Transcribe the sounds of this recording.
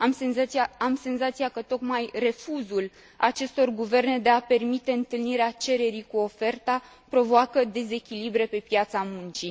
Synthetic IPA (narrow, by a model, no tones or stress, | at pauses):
amsenzataamse̞nzat̪sijakət̪o̞kmajre̞fuzul | at͡ʃe̞st̪o̞rɡuve̞rne̞d̪e̞ape̞rmit̪e̞ɨnt̪ɨlniɾeat͡ʃe̞ɾe̞ɾikuo̞fe̞rt̪a | pɾo̞voakəd̪e̞ze̞kʲilibɾe̞pe̞pjat̪samunt͡ʃi